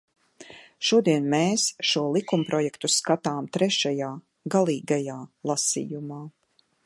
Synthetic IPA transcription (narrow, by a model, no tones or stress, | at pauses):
ʃuɔd̪iɛnmeːsʃuɔlˠikumpɾɔjɛkt̪uskat̪aːmt̪ɾɛʃajaː | ɡalˠiːɡajaːlˠasḭjumaː